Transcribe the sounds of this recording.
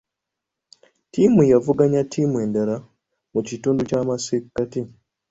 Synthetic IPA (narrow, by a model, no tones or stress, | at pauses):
tiːmujavuɡaɲatʰiːmwe̞ːndaɾa | mucituːnducaːmasikːati